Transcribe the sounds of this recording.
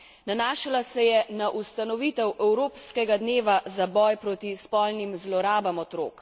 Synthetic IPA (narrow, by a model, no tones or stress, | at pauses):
nanaːʃalasɛjɛnaʔust̪anɔʋiːt̪ɛwʔɛwɾoːpskɛɡad̪neːʋazabɔjpɾoːt̪ispɔlnimzlɔɾaːbamɔt̪ɾoːk